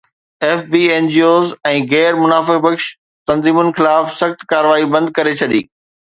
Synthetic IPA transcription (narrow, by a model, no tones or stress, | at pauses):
eːfbiːeːnd͡ʑiːoːzɛ̃ːɣɛːɾmʊnaːfɪk̚bɐkʃ | t̪ɐ̃nziːmʊnɪ̆xɪlaːfsɐxt̪kaːɾʋaːibɐ̃nd̪̚kɐɾet͡ɕʰɐɗḭː